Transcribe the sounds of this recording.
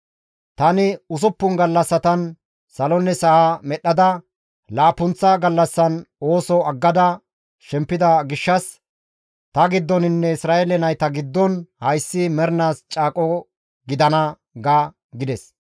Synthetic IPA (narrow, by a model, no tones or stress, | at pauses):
t̪ɐnɪʊs̬ʊpːʊnɡɐlːɐsːɐt̪ɐn | sɐlɔnːɛsɐʔamɛɗːɐd̪ɐ | laːpːʊnt͡sːɐɡɐlːɐsːɐno̞ːsɔɐɡːɐd̪ɐ | ʃɛmpːɪd̪ɐɡɪʃːɐs | t̪ɐɡɪd̪ːɔnɪnːɛɪsɾaːʔelɛnɐjt̪ɐɡɪd̪ːɔnhɐjsːɪmɛɾnaːst͡ʃʼaːkʼɔ | ɡɪd̪ɐnɐ | ɡa | ɡɪd̪ɛs